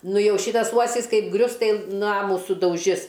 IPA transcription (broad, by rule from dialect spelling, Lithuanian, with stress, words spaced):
ˈnʊ ˈjɛʊ ˈʃʲiːtɐs ˈuɔsʲɪs ˈkɐɪp ˈɡrʲʊs ˈtɐɪ ˈnɑːmuː sʊdɐʊˈʒʲɪs